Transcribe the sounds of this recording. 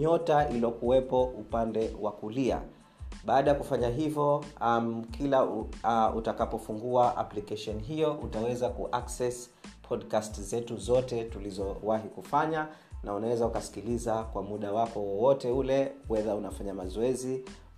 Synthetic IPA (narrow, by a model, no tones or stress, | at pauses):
ɲɔtailɔkuwɛpɔʔupandɛwakulia̰ | ɓaːɗajakufaɲaɦivɔmkʰila | utakapɔfuŋɡuaʔa̰plikɛʃɔniɦijɔʔutawɛzakṵʔaksɛs | pʰɔɗkastzɛtuzɔtɛtulizɔwaɦikufaɲa | naunawɛzaukasi̥kilizakwamuɗawakɔwɔwɔtɛulɛwɛðaunafaɲamazɔɛzi